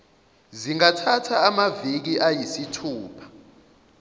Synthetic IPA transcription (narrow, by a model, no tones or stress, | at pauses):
ziŋatʰatʰaːmavik̬iʔajisitʰuːpʰḁ